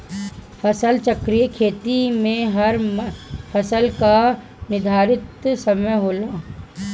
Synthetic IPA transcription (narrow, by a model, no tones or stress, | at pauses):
fɐsəlt͡ʃɐkɾijəkʰeːt̪imẽɦɐɾ | fʰɐsəlka | nɪd̪ʱaːɾɪt̪sɐməjɦoːlaː